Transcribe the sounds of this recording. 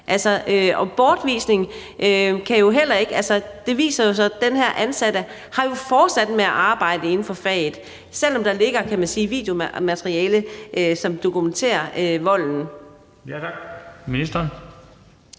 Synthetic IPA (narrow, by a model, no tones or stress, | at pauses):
ʔælsɒʔøɒ̽b̥ɒːd̥ʋḭːsne̝ŋ | ʔøkʰæjo̝ɦel̰ɐe̝ɡ̥ælsɐd̥e̝ʋḭːsɐjo̝sɒ̽d̥enhæɐ̰ʔænsæɾə | hɑ̈jo̝fɒːd̥sæd̥meæʔɑ̈ːb̥ɑ̈ɪ̰d̥əe̝n̩fɒ̽fɛ̰̥ː | sel̰ɒ̽md̥ɑ̈le̝ɡ̥ɐkʰæmænsiːʋḭːd̥jo̝mmæt͡sʰʁiɛːləʔøsɒ̽md̥o̝kʰument͡sʰḛːɐøʋɒ̽l̰n̩ | misd̥